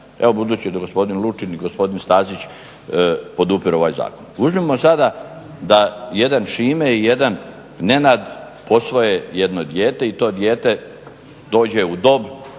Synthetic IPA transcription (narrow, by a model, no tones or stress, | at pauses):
eʋo̞bud̪uːt͡ɕid̪aɡo̞spo̞d̪inlˠut͡ʃiniɡospo̞d̪inst̪aːzit͡ɕ | po̞d̪upiɾo̞ʋaːjza̰ːkonuzmimosad̪a | d̪aje̞d̪anʃiːmeije̞d̪an | ne̞naːd̪ | po̞sʋo̞jeje̞d̪no̞d̪jeːt̪e̞it̪o̞ːd̪je̞ːt̪e̞ | d̪o̞ːd͡ʑe̞ud̪o̞b